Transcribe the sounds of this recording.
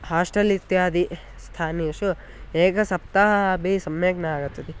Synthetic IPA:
haːʂʈɐlit̪jaːd̪i | st̪ʰaːniʃu | eːkɐsɐp̚t̪aɦɐbʱisɐmjeːɡnɐaːɡut̪ːɐd̪i

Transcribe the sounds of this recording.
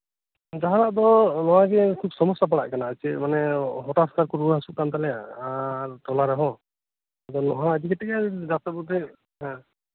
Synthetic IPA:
d͡ʒaɦaɾaʔd̪ɔnɔwaɡɛkʰub̚sɔmɔsap̬aɽa̰ʔkanaat͡ʃɛmanɛɦɔtaskaɾkɔɾuɦasuʔ̚kant̪alɛa̰ɾt̪ɔlaɾɛɦɔ̃ | ad̪ɔnɔɦaəd̪ikɛt̪ʰɛkɛdak̚t̪abud̪ɛ | ɦɛ̃

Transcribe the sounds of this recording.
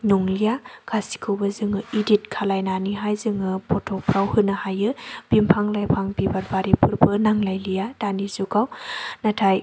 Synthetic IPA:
noŋlijakʰasi̥kʰɯwbɐzɯŋɯidit̚kʰalajnaniɦajzɯŋɯpʰɔtʰɔpʰɾawhɯnɐhajɯb̥impʰaŋlajpʰaŋbibaɾbaɾipʰɯɾbʰɯnaŋlajlijadanizukawnatʰaj

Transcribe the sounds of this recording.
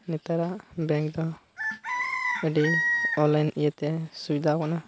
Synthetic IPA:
nit̪aɾaʔbɛŋkd̪ɔ | əɖiɔlajnijət̪ɛsubid̪ʱakana

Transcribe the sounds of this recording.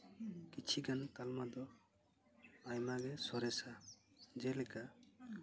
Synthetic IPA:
kit͡ʃʰiɡankalmad̪ɔ | ajmaɡɛsɔɾɛsad͡ʒɛlɛka

